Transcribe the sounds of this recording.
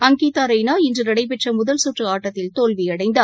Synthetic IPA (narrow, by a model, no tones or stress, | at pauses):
ɐŋɡiːt̪aːɾɐɪnaːɪndrɯnɐɽɐɪp̬ɛʈrɐmʊðɐlsuʈrɯaːʈːɐt̪ːɪlt̪oːlʋiɐɽɐɪnd̪ɐ